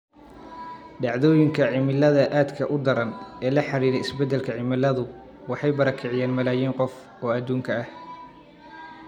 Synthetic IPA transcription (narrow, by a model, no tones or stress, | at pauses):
ɖɑʕðɔːjɪŋkʰɐʕɪmɪlɐðɐʔaːd̪kʰɐʔʊd̪ɐɾɐnɛːlɐħɑɾiːɾɛjɪsbɛd̪ːɛlkʰɐʕɪmɪlɐðʊ | wɑħɑjbɐɾɐkʰɪʕɪjaːnmɐlaːjiːŋqɔf | ɔːɐd̪ːuːŋkʰɐɐh